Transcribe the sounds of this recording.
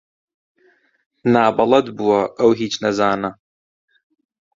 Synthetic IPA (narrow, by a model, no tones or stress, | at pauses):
naːbɐlˠɐd̪buwɐʔɐwɦiːt͡ʃnɐzaːnɐ